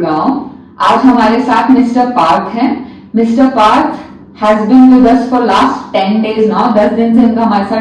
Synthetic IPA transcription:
naʊ | aːd͡ʒɦɐmaːɾesaːt̪ʰmɪsʈəɾpaːɾk̪ʰɦɛ̃ː | mɪsʈəɾpaːɾk | hɛːzbĩːnɖoɾɐsʈfɔːɾlaːsʈʈɛ̃nɖeːznaʊd̪ɐsd̪ɪnseʊ̃nkaɦɐmaːɾesaː

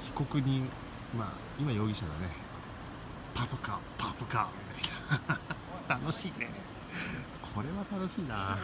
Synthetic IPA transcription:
çi̥ko̞kɯ̟ɲ̟ĩ | ma̰ː | imajo̞ːɡʲiɕad̪one̞ | pasokapʰasokamʲit̪aina | t̪ano̞ɕiːne | kʰo̞ɾe̞βat̪ano̞ɕiːna

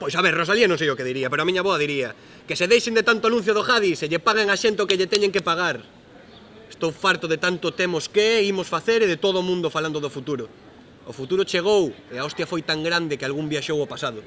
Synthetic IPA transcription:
pojsaβeɾrosalianõŋs̬ejokeðiɾiapeɾoamiɲaβoaðiɾia | keseðejʃend̪et̪ant̪oanũn̟θjoð̞oxaðiseʎepaɣ̞eŋaʃent̪okeʎet̪eɲeŋkepaɣ̞aɾ | e̥st̪owfaɾt̪oðet̪ant̪ʊt̪emoskeɛimosfaθeɾeðet̪oðoːmũnd̪ofaland̪oðofut̪uɾʊ̰ː | fut̪uɾʊt͡ʃeɣ̞oweaɔst̪jafojt̪aŋɡɾand̪ɪkealɣumbjaʃowopasaðʊ

